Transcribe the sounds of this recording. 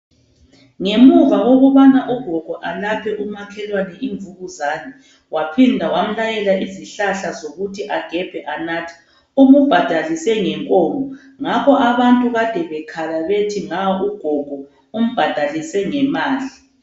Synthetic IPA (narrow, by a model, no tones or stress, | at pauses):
ŋemuɣaɣoɣuβanaʔuɡ̥ʱɔɡ̥ʱɔʔalapʰɛʔumakʰɛlwanɛʔiɱvuɣuzaːnɛ | wapʰindʱawam̩lajɛlaʔiziɬaɬazoɣutʰiʔaɡ̥ʱɛb̥ʱɛʔanaːtʰi̥ | umub̥ʱad̥ʱalisɛŋɛŋkʼɔːmɔ | ŋakɔʔaβantʼuɣad̥ʱɛβɛkʰalaβetʰiŋauɡ̥ʱɔɡ̥ʱɔ | um̩b̥ʱad̥ʱalisɛŋɛmaːli